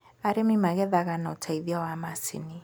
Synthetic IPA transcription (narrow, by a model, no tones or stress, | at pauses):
aɾɛmimaɣɛðaɣanautʰaiðiawamasḭni